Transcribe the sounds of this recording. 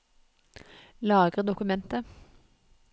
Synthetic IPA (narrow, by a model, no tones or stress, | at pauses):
lɑːɡəʁd̪ʊkʉmɛnt̪ə